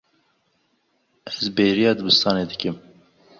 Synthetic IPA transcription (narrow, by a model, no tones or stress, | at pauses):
ɛzbeːɾijɑːd̪ɨbɨst̪ɑːneːd̪ɨkɨm